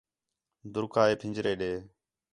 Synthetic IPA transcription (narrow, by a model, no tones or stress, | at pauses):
d̪ʊɾkʰaːeːpʰɪ̃d͡ʒɾeːɗeː